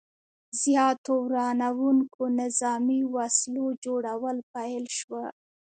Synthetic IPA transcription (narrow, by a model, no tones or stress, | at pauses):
zjɑt̪owɾɑnawuŋkonɪzɑmiwaslod͡ʒoɽawəlpajlʃwə